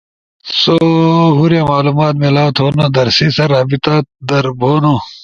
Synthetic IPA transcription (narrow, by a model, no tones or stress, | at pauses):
soɦuɾjaːmaːluːmaːt̪melaːt̪ʰoːnod̪ɐɾsisɐɾaːbit̪ad̪ɐɾbʱoːnoː